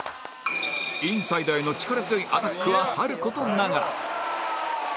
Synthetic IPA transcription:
ĩɰ̃said̪ae̞no̞t͡ɕi̥kaɾazɨiʔat̪akːɯ̟βasaɾɯ̟ko̞t̪onaɡaɾa̰

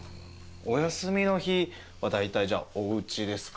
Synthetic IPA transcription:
o̞jasɨmʲino̞çi | βad̪ait̪aiʑa̰o̞ɯ̟t͡ɕid̪e̞sɨ̥k

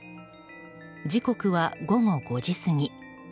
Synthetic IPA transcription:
d͡ʑiko̞kɯ̟βaɡo̞ŋo̞ɡo̞d͡ʑisɨɲ̟i

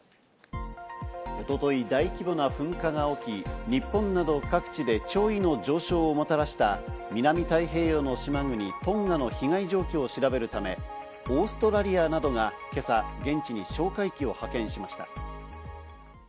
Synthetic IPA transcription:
o̞t̪o̞t̪o̞id̪aikʲibonaɸɯ̟̃ŋkaŋao̞kʲiɲ̟ipːõ̞nːad̪o̞kakɯ̟̥t͡ɕid̪e̞t͡ɕo̞ːino̞d͡ʑo̞ːɕo̞ːmot̪aɾaɕi̥t̪amʲinamʲit̪aiɦe̞ːjono̞ɕimaŋɯ̟ɲ̟it̪õ̞ŋɡano̞çiŋaiʑo̞ːkʲo̞ːɕiɾabe̞ɾɯ̟t̪ame̞̰ | o̞ːsɨ̥t̪o̞ɾaɾʲianad̪o̞ŋake̞saɡẽ̞ɲ̟t͡ɕiɲ̟iɕo̞ːkaikʲio̞hakẽ̞ɰ̃ɕimaɕi̥t̪ḁ̰

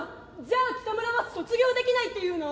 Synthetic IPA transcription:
d͡ʑaːk̪i̥t̪amɯ̟ɾamasɨ̥so̞t͡sɨɡʲo̞ːd̪e̞kʲinait̪ːe̞jɯ̟ːno

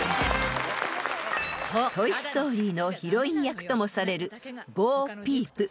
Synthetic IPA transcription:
t̪o̞isɨ̥t̪o̞ːɾʲiːno̞çiɾo̞ĩɰ̃jakɯ̟̥t̪o̞mo̞saɾe̞ɾɯ̟boːpʲiːpɯ̟

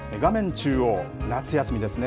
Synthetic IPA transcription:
eɡamẽ̞ɲt͡ɕɨːonat͡sɨjasɨmʲid̪e̞sɨne

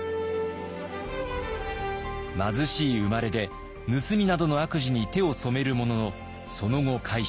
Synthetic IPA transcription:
mazɨɕiːɯmaɾe̞d̪e̞ | nɯ̟sɨmʲinad̪o̞no̞akɯ̟ʑiɲ̟it̪e̞o̞so̞me̞ɾɯ̟mo̞no̞no̞ | so̞no̞ŋo̞kʰai

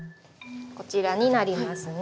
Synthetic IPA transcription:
ko̞t͡ɕiɾaɲ̟inaɾʲimasɨn

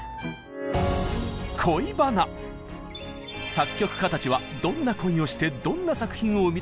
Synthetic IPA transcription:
kʰo̞ibana | sakʲːo̞kɯ̟̥kat̪at͡ɕiβad̪õ̞nːakõ̞ĩo̞ɕi̥t̪e̞d̪õ̞nːasakɯ̟̥çĩɰ̃o̞ɯ̟mʲi

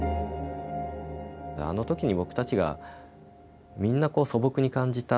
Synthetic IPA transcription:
a̰no̞t̪o̞kʲiɲ̟ibo̞kɯ̥t̪at͡ɕiɡa̰ | mʲĩnːako̞ːso̞bo̞kɯ̟ɲ̟ikãɲ̟d͡ʑit̪a

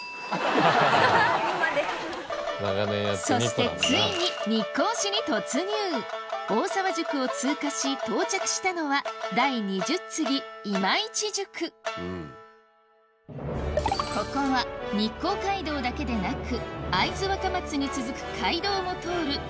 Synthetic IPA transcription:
naɡaneso̞i̥e̞t͡sɨiɲ̟iɲ̟ikːo̞ːɕiɲ̟ʲit̪o̞t͡sɨɲɯːo̞ːsaβaʑɨkɯ̟o̞t͡sɨːkaɕit̪o̞ːt͡ɕakɯ̟̥ɕi̥t̪ano̞βad̪aiɲ̟iʑɨt͡sɨɡʲiimait͡ɕiʑɨkʰɯ̟ | ko̞ko̞βaɲ̟ikːo̞ːkaid̪o̞ːd̪ake̞d̪e̞nakɯ̟aizɨβakamat͡sɨɲ̟it͡sɨzɨkɯ̟̥kʰaid̪o̞ːmo̞t̪o̞ːɾɯ̟

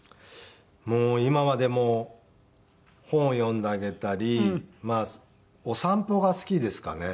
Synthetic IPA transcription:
moːimamad̪e̞mo̞ | hõ̞ɰ̃jõ̞nd̪eaɡe̞t̪aɾʲimaː | o̞sãmpo̞ɡasɨ̥kʲid̪e̞sɨ̥ka̰ne̞

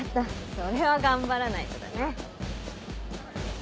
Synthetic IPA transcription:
t̪ːaso̞ɾe̞βaɡãmbaɾanait̪od̪a̰ne

